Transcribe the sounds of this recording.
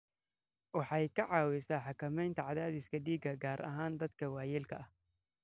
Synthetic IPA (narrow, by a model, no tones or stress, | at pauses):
wɑħɑjkʰɐʕɑːwɪsaːħɑkɐmɛjnt̪ʰɐʕɑðaːðɪskʰɐɖiːɡɐɡaːɾʔɐ̰ɦaːnd̪ɐd̪kʰɐwɑːjɛlkʰɐʔɐh